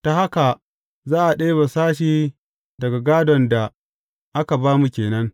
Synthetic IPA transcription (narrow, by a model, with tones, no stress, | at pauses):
ta˨ha˦ka˨ | zaː˦ʔa˨ɗe˦ba˨saː˦ʃiː˦ | dɐ˨ɡa˨ɡaː˦dɔ˨nda˨ | ʔa˦ka˨baː˦mu˨kʲeː˨nɐ˦ŋ